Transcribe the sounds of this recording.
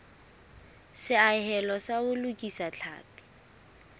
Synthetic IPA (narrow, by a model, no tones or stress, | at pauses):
sɪahɛlɔsaʊlʊkʼisat͡ɬʰa̰ːpi̥